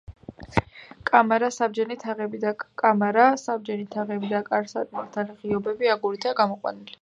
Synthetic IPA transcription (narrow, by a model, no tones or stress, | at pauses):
kʼamaɾasab̚d͡ʒɛnit̪ʰaʁɛbid̪akʼamaɾasab̚d͡ʒɛnit̪ʰaʁɛbid̪akʼaɾsat̪ʼmaɾt̪ʰaliʁiɔbɛbiaɡuɾit̪ʰaɡamɔqʼwa̰nili